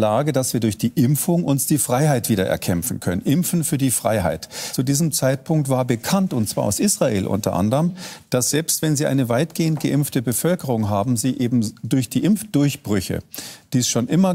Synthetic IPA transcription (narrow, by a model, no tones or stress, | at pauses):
laːɡədasv̥iːɐdʊɐçd̥iːʔɪmfʊŋʔʊnsd̥iːfʁ̥aɪɦaɪtv̥iːdɐʔɛ̰ɐkʰɛmfn̩kʰœnənʔɪmfn̩fyːɐdiːfʁ̥a̰ɪɦa̰ɪtt͡sudiːzəmt͡saɪt̚pʰʊŋk̚tv̥aːɐbəkʰantʊntt͡sv̥aːɐʔa̰ʊsʔiːsʁ̥aʔḛːlʔʊ̰ntʰɐ̰ʔa̰ndəʁəmd̥asz̥ɛlpstv̥ɛnziːʔaɪnəvaɪtɡ̥eːəntɡ̥əʔɪmftəbəfœlkəʁʊŋɦaːbm̩ziːʔeːbm̩dʊɐçd̥iːʔɪmfd̥ʊɐçb̥ʁʏçə̰d̥iːsʃoːnʔɪmɐ